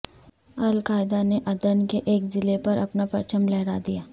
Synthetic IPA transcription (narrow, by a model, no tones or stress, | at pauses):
ɐlkaːɪd̪aneʔɐd̪ənkeʔeːkzɪlepɐɾʔɐpnapɐɾt͡ʃəmlɛɦɾad̪ijaː